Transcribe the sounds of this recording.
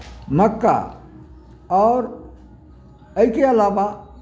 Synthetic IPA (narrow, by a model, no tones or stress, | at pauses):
məkːa̰ | ɔːɾ | ɐikeɐlaːʋa